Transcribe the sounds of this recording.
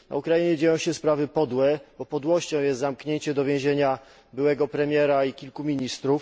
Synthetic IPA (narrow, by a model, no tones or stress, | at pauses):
na̰ukɾajiɲɛd͡ʑejɔ̃w̃ɕɛspɾavɘpɔd̪wɛbɔpɔd̪wɔɕt͡ɕɔ̃w̃jɛst̪zamkɲeɲt͡ɕɛd̪ɔvʲjɛ̃w̃ʑeɲa | bɘwɛɡɔpɾɛmʲjɛɾaikʲilkumʲiɲist̪ɾuf